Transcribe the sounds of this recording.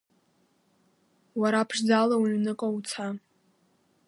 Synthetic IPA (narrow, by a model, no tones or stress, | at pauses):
waɾaːpʰʂd͡zalawɥnɨkʼaut͡sʰa